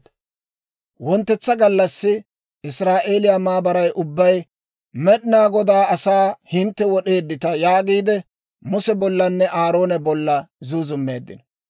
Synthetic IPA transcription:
wɔnt̪ːɛt͡sːɐɡɐlːɐsːɪ | ɪsɾaːʔe̞ːlɪjamaːbɐɾɐjʔʊbːɐj | mɛɗɪnaːɡɔd̪aːɐsaːhɪnt̪ːɛwɔɗe̞ːd̪ːɪt̪ɐjaːɡiːd̪ɛ | mʊsɛbɔlːɐnːɛʔaːɾo̞ːnɛbɔlːɐzuːzʊmːe̞̰ːd̪ːɪ̰nɐ

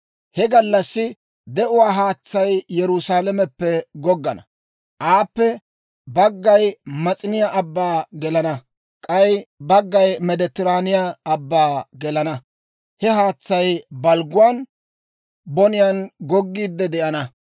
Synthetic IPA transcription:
hɛɡɐlːɐsːɪ | d̪ɛʔʊwaːɦaːt͡sːɐjjɛɾʊsaːlɐmɛpːɛɡɔɡːɐnɐ̰ | ʔaːpːɛ | bɐɡːɐjmɐt͡sʼɪnɪjaʔɐbːaːɡɛlɐnɐ | kʼɐjbɐɡːɐjmɛd̪ɛt̪ːɪɾaːnɪjaːbːaːɡɛlɐnɐ | hɛɦaːt͡sːɐjbɐlɡʊwaːn | bɔnɪjanɡɔɡːiːd̪ːɛd̪ɛʔɐnɐ

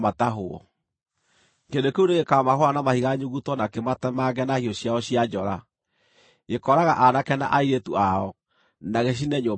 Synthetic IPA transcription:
mataɦoɔ̰ | ŋɡendokeuneɣekamaɦoanamahiɣaɲuɣutɔnakematɛmaɡɛnahiɔɕjaɔɕiad͡ʒɔɾa | ɣekɔɾaɣaʔanakɛna̰ʔaiɾetuaɔ | naɣeɕ̬inɛɲo

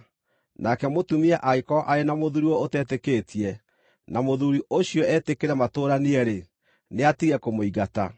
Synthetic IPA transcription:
nakɛmotumiɛʔaikɔʔaenamoðuɾiɔotɛteketʰiɛ | namoðuɾiʔoɕiɔʔɛtekeɾɛmatoːɾaniɛɾe | neatiɣɛkomoiɣata̰

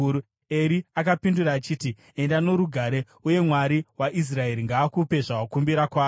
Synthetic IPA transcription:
eɾiakapinduraːt͡ʃiːti | e̞ndano̞ɾuɡʱaɾe̞ | uje̞mwaɾiwaʔis̬rae̞ɾiŋɡaːkupe̞ʐawakumbiɾakwaː

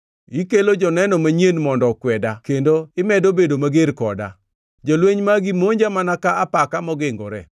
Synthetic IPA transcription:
ikelod͡ʒɔnɛnɔmaɲenmɔndɔkwɛdakendoɪmɛdobedomaɡeɾkɔda̰ | d͡ʒolweɲmaɡimoɲd͡ʒamanakaapakamɔɡɪŋɡɔɾɛ

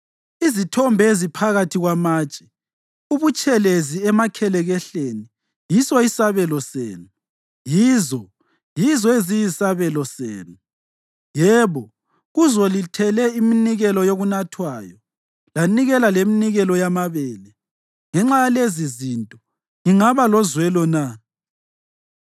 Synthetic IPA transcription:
izitʰɔmbʱezipʰaɣatʰiɣwamaːt͡ʃʼɛ̥ | uβut͡ʃʼɛleziɛmakʰɛlɛɣɛɬeni | jisɔisaβɛlɔsḛːnu | jiːzɔ | jizɔezijisaβɛlɔsḛːnu | jɛβɔ | ɣuzɔlitʰɛlɛiminiɣɛlɔjoɣunatʰwajɔ | laniɣɛlaleminiɣɛlɔjamaβɛːlɛ | ŋɛŋ͡ǁajalezizintʼɔ | ŋiŋaβalɔzwɛlɔna

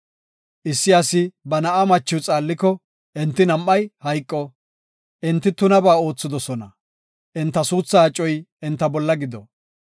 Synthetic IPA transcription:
ʔɪsːɪasɪbɐnɐʔɐmɐt͡ʃːɪwt͡sʼaːlːɪkɔ | ʔɛnt̪ːɪnɐmːɐjhɐjkʼːɔ | ʔɪnt̪ːɪt̪ʊnɐbaːo̞ːt͡sːɪd̪ɔsɔnɐ | ʔɛnt̪ːɐsuːt͡sːaːt͡ʃʼːɔjɪnt̪ːɐbɔlːɐɡɪd̪ɔ

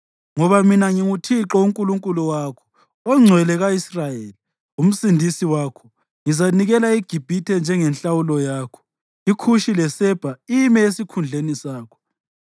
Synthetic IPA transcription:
ŋɔβaminaŋiŋutʰiǁɔuŋkʼuluŋkʼuluwakʰɔ̥ | ɔŋ͡ǀʱwɛlɛɣaisrajeːli | um̩sindʱisiwaːkʰɔ | ŋizaniɣɛlaiɡ̥ʱib̥ʱitʰɛnd͡ʒʱɛŋɛnɬawulɔjaːkʰɔ̥ | ikʰuʃilɛsɛb̥ʱaimɛesikʰund͡ɮʱenisaːkʰɔ̥

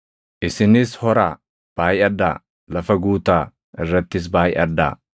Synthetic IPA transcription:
ʔɪsɪnɪshɔɾaː | b̥aːjɐd̪ːaː | lɐfɐɡuːt̪aː | ʔɪrːɐt̪ːɪs̬baːjʔɐd̪ːa̰ː

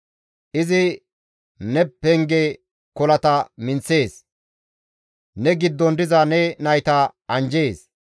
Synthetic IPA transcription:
ʔɪzɪ | nɛpːɛŋɡɛ | kɔlɐt̪ɐmɪnt͡sːe̞ːs | nɛɡɪd̪ːɔnd̪ɪzɐnɛnɐjt̪ɐɐnd͡ʒeːs

